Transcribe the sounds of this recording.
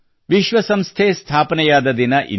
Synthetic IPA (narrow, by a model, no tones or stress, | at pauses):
ʋiʃʋɐsɐmst̪ʰeːst̪ʰaːpɐnɛjaːd̪ɐd̪inɐʔḭ